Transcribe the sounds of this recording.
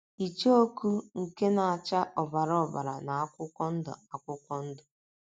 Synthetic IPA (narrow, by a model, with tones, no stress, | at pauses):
i˨t͡ʃe˦o˦ku˦ŋ̩˨ke˦na˨a˨t͡ʃa˦ʔɔ˨ba˨ɾɔ˦ɔ˨ba̰˨ɾa̰˨na˨a˦kʷʊ˦kʷɔ˦n̩˦dʊ̰˨a˨kʷʊ˦kʷɔ˦n̩˦dʊ˨